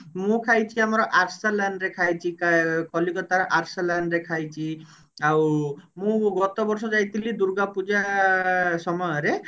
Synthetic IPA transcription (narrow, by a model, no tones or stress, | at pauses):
mũkʰajt͡ʃʰiamɔɾɔʔaɾselanɾekʰajt͡ʃʰikakɔlikɔt̪aɾɔʔaɾselanɾekʰajt͡ʃʰi | awmũɡɔt̪ɔbɔɾsɔd͡ʒajt̪ʰilid̪uɾɡapud͡ʒa | sɔmɔjɔɾe